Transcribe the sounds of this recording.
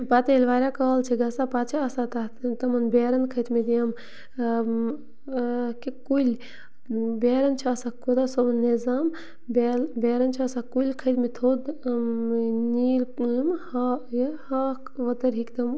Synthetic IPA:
paːt̪ilʋaːɾʲakɐɦəlt͡ʃʰiɡɐsapaːt͡ʃʰiɐsat̪at̪ɐmɐnbeːɾɐnkʰɐjt̪med̪ijɐm | kekulʲ | beːɾɐnt͡ʃʰiɐsakod̪asobnnezaːm | belbeːɾɐnt͡ʃʰiɐsakulʲkʰəjt̪mit̪ʰoːd̪ | niːlmhɐjhɐkʋɐt̪ɐɾɦikt̪ɐm

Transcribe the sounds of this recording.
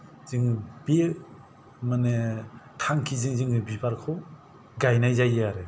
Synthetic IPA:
z̥ɯŋbi | manetʰaŋkʰizɯŋzɯŋɯbibaɾkʰɯ | ɡajnajzajaɾe

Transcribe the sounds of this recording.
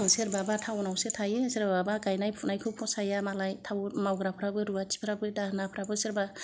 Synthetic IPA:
ŋseɾbabatʰawnawsetʰajeseɾbabaɡajnajpʰunajkʰɯpʰɔsajamalajtʰawmawɡɾapʰɾabɯɾuatʰi̥pʰɾabɯjdahnapʰɾabɯseɾba

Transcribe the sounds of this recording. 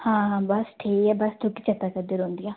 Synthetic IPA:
hãːɦãbɐsʈʰeːɛːbəst̪ʰukit͡ʃət̪akəd̪eɾɦõːnd̪ijãː

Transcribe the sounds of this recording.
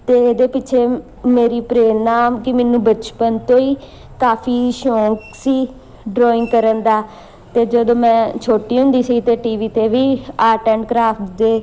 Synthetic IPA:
t̪eːeːd̪eːpɪːt͡ʃʰeː | meːɾiːpɾeːnaːmkɪmɛ̃ːnũːbət͡ʃpənt̪õːiː | kaːpʰiːʃõːksiː | ɖɾɔːɪ̃ŋɡkəɾənd̪aː | t̪eːd͡ʒəd̪õːmɛ̃ːt͡ʃʰoːʈiːɦʊ̃nd̪iːsiːt̪eːʈiːʋiːt̪eːʋiːaːɾʈɛ̃ːɳɖkɾaːpʰʈd̪eː

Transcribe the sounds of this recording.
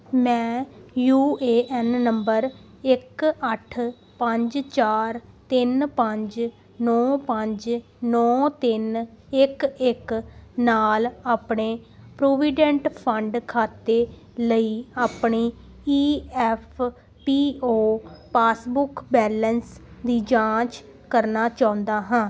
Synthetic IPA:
mɛ̃ːjuːeːʔɛːnːəmbəɾ | ɪkəʈʰ | pə̃ɲd͡ʒt͡ʃaːɾt̪ɪnpə̃ɲd͡ʒ | nɔːpə̃ɲd͡ʒ | nɔːt̪ɪnɪkɪknaːlaːpɳeːpɾoːʋiːɖə̃ɳʈpʰəɳɖkʰaːt̪eː | ləiːaːpɳiː | iːɛpʰ | piːoːpaːsbʊkbɛːlənsd̪iːd͡ʒãːt͡ʃ | kəɾnaːt͡ʃãːʊ̃nd̪aːɦãː

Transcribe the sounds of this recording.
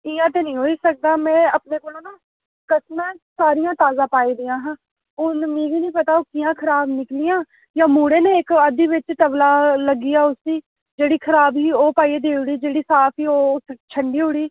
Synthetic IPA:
ɪːãːt̪eːnĩːɦoːiːsək̚d̪aːmɛ̃ːəpneːkoːlõːnaː | kəsnãːsaːɾɪjãːt̪aːzãːpaːiːd̪ɪjãːɦãː | ʊnmẽːɡiːnĩːpət̪aːoːkijãːkʰəɾaːbnɪklɪjãː | jãːmuːɽeːnẽːɪkəd̪iːʋɪt͡ʃʈəʋlaːləɡiːaːʊsiː | d͡ʒeːɽiːkʰəɾaːbiːoːpaːied̪eːʊɽiːd͡ʒeːɽiːsaːpʰiːoːt͡ʃʰəɳɖiːɦʊɽiː

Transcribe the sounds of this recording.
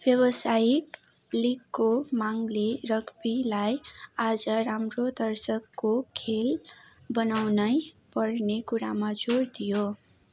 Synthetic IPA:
b̥jʌwʌsajik | likːomaŋlerʌkpilajad͡zʌɾamrod̪ʌrsʌkːokʰel | bʌnawnʌj | pʌrnekuɾamad͡zord̪ijo

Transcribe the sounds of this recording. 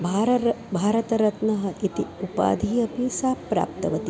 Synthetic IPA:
bʱaːɾɐɾbʱaːɾɐt̪ɐɾɐt̪nɐɦɐʔit̪iupa̰ːd̪ʱijɐpisaːpːɾa̰ːp̚t̪ɐʋɐt̪i

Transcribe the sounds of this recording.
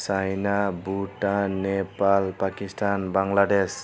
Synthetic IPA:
sajnabuʈanepalpakistanbaŋlades

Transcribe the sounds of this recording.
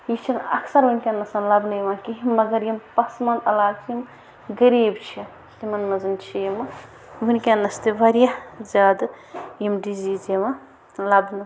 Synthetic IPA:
jit͡ʃʰinɐ̰kʰsɐɾʋunʲkʲenːɐsɐnlɐbnɐjʋãːkiɦmɐɡɐɾjimpɐsmɐnɐlaːɡt͡ʃʰim | ɡɐɾiːbt͡ʃʰi | t̪imɐnmɐzɨnt͡ʃʰijim | ʋunʲkʲenːɐst̪iʋɐɾjazaːd̪ | jimɖizid͡ʒemɐ | lɐbnɨ

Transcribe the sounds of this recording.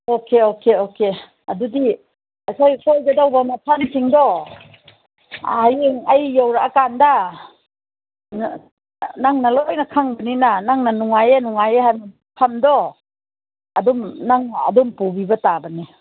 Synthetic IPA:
okeokeoke | ɐdudi | asajkʰojɡɐdawbamapʰamsiŋdɔ | ajeŋajːawɾaakanda | n | naŋnalojnɐkʰaŋbɐninanaŋnanuŋajenuŋajeɦana | pʰamdɔ | ɐdumnaŋɐ̰dumpubibɐtabɐni

